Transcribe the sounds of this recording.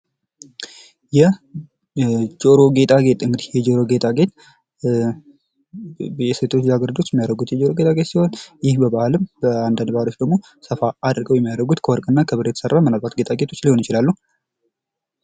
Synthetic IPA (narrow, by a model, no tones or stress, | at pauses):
jɛ | d͡ʒo̞ɾo̞ɡe̞t̪ʼaɡe̞t̪ʼɨŋɡɨd̪ihjɛd͡ʒo̞ɾo̞ɡe̞t̪ʼaɡe̞t̪ | jɛset̪ʰot͡ʃaɡəɾd̪ot͡ʃːjɛmːijaɾəɡut̪jɛd͡ʒo̞ɾo̞ɡe̞t̪ʰʼaɡe̞t̪siho̞njɪhbəbahlɨmbəand̪and̪bahalo̞t͡ʃːd̪əɡmo̞ | səfaad̪ɾɡəwjɛmːijaɾəɡut̪kʰəwɔɾkʼɨnːakʰəβɨɾet̪ə̥sərːamɨnalbat̪ɡe̞t̪ʼaɡe̞t̪ʰo̞t͡ʃːliho̞njɪt͡ʃɪlalːuh